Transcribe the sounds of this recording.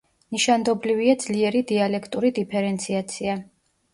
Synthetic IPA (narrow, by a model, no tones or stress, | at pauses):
niʃand̪ɔbliviad̪zliɛɾid̪ialɛkʰt̪ʼuɾid̪ipʰɛɾɛnt̪sʰiat̪sʰia